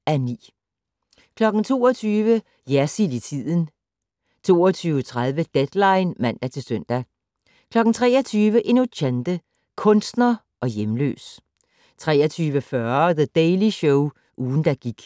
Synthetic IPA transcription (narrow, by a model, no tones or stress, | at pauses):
ænḭː | kʰlɒ̽ɡ̥n̩t͡sʰo̝̰ːɒt͡sʰyːʋə | jæɐsilit͡sʰið̰ˠn̩ | t͡sʰo̝̰ːɒt͡sʰyːʊət͡sʰʁað̞ˠʋəd̥ed̥lɑ̈ɪnmæn̰d̥æt͡sʰe̝lsœn̰d̥æ | kʰlɒ̽ɡ̥n̩t͡sʰʁɛːɒt͡sʰyːʋəʔe̝no̝dænd̥ə | kʰɔ̽nsd̥nɐ | ʔɒ̽jemlø̰ːs | t͡sʰʁɛːɐt͡sʰyːʋəfɶɐðəd̥eɪliɕɔʊ | ʔuːn̩d̥æɡ̥iɡ̥